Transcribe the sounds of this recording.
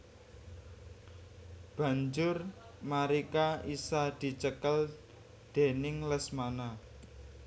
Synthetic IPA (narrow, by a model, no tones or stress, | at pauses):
b̥ä̤ɲd͡ʒʊr | maɾikaisad̪̥i̤t͡ʃəkəl | d̪̥e̤nɪŋləsmana